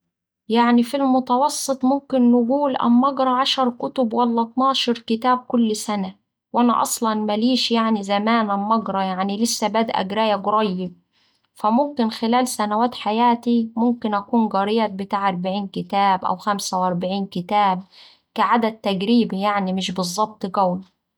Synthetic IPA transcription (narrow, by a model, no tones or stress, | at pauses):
jaʕnifilmʊt̪ɑwɑsˤːɨt̪ˤmʊmkɪnːɪɡuːlʔæ̰mːɑɡɾˤɑʕaʃɑɾˤkʊt̪ʊbwælːæt̪ˤnɑːʃɑɾˤkɪt̪æːb̚kʊlːsænæ | wʔænæ̰ʔɑ̰sˤlɑnmæliːʃjaʕnizæmæːnʔæmːɑɡɾˤɑjaʕnilɪsːæbæːd̪ʔæ̰ɡɾæːjæɡʊɾˤɑjːɪb̚ | fæmʊmkɪnxɪlæːlsænæwæːt̪ħajæːt̪imʊmkɪnʔækuːnɡɑɾɪjæbɪt̪aːʕʔɑɾˤbaʕiːnkɪt̪æːbʔæ̰wxæmsæwʔɑɾˤbaʕiːnkɪt̪æːb̚ | kæʕad̪æd̪̚t̪ːæɡɾiːbijaʕnimɪʃbɨzˤːɑb̚t̪ˤɡæwn